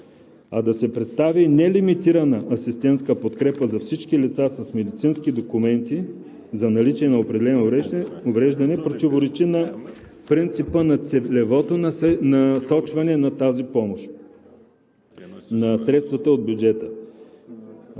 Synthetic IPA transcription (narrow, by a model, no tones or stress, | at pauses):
ɐd̪ɐsɛpɾɛt̪st̪avinɛlimit̪iɾənəʔɐsist̪ɛnt̪skəpot̪kɾɛpəzɐfsit͡ʃk̟ilit̪sasɐsmɛd̪it̪sinskid̪okumɛnt̪i | zɐnɐlit͡ʃiɛnɐopɾɛd̪ɛlɛnoovɾɛʒd̪ɐnɛpɾot̪ivoɾɛt͡ʃinɐ | pɾint̪sipənɐt̪sɛlɛvɔt̪onnɐsɔt͡ʃvɐnɛnɐt̪azipɔmoʃt̪ | nɐsɾɛt̪st̪vət̪əod̪̚bʲjud͡ʒɛt̪ə